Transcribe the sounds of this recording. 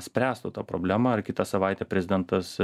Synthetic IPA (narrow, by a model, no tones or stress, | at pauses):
sʲpʲɾʲæːst̪ʊt̪ɑːpɾo̰ːbʲlʲæːmɑɐrkʲɪt̪ɐsɐʋɑɪt̪ʲɛːpʲɾʲɛzʲɪd̪ʲɛnt̪ɐs